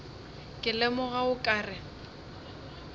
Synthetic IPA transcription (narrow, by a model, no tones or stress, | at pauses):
kʼɪlɛmʊɣaʊkʼaːrɪ